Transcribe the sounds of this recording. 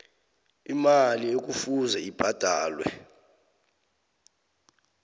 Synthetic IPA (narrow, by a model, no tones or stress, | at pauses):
imaliek̬ufuzɛib̥ʱad̥ʱaːlwɛ